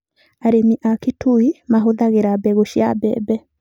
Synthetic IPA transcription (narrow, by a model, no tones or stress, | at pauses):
aɾemiʔakitʰuimaɦoðaɣeɾabɛɣoʃia̰bɛ̰bɛ